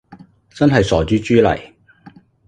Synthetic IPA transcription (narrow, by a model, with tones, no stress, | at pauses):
t͡sɐ˥nɦɐ˨jsɔː˨˩t͡ʃyː˨˥t͡ʃyː˥lɐ̰˨˩j